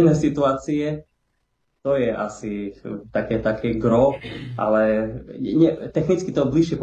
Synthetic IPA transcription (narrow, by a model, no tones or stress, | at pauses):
nɛsit̪uaːt͡siɛ | t̪ɔjɛʔasit̪akɛːt̪akʰɛːɡɾɔʔa̰lɛɛɲɛt̪ɛxnit͡skit̪ɔbliʃɪɛp